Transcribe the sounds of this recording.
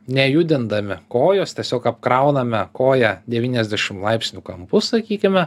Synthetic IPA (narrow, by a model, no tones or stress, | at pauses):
nʲɛjʊd̪ʲɪnd̪ɐmʲɪkoːjoːst̪ʲiɛsʲoːkɐpkɾɐʊnɐmʲɛkoːjɛd̪ʲɛʋʲiːnʲɛzʲd̪ʲæʃʲɪmlˠɐɪpʲsʲnʲʊkɐmpʊsɐkʲiːkʲɪmʲɛ